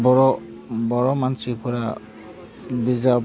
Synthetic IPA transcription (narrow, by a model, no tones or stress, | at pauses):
bɔɹɔ | bɔɹɔmansipɔɹa | biza